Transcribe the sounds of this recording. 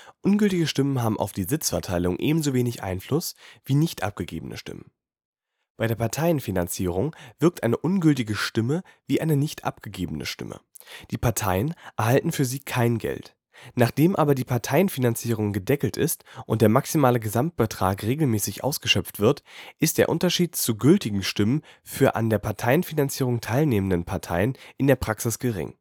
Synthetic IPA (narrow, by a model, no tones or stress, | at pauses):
ʔʊnɡʏltɪɡəʃtɪmənɦaːbm̩ʔa̰ʊfd̥iːzɪt͡sfɛɐtʰaɪlʊŋʔḛːbm̩zoveːnɪçʔa̰ɪnflʊsv̥iːnɪçtʔa̰p̚ɡ̥əɡḛːbənə̰ʃtɪ̰mən | b̥aɪdeːɐpʰaɐtʰaɪənfinant͡siːʁ̞ʊŋv̥ɪɐk̚tʔa̰ɪnəʔʊnɡʏltɪɡəʃtɪməviːʔaɪnənɪçtʰʔa̰p̚ɡ̥əɡeːbənə̰ʃtɪ̰mə̰ | d̥iːpʰaɐtʰaɪənʔɛɐhaltn̩fyːɐziːkʰaɪnɡɛ̰lt | naːχd̥eːmʔaːbɐdiːpʰaɐtʰaɪənfinant͡siːʁ̞ʊŋɡədɛkl̩tɪ̰stʔʊntd̥eːɐmaksimaːləɡəzamt̚b̥ətʁ̥a̰ːkʁeːɡl̩mɛːsɪçʔa̰ʊsɡ̥əʃœpp͡ftv̥ɪɐtʔɪst̚d̥eːɐʔʊntɐʃiːtt͡suɡʏltɪɡŋ̩ʃtɪmənfyːɐʔa̰ndeːɐpʰaɐtʰaɪənfinant͡siːʁ̞ʊŋtʰaɪlneːməndənpʰaɐtʰa̰ɪənʔɪndeːɐpʁ̥aksɪsɡ̥əʁɪ̰ŋ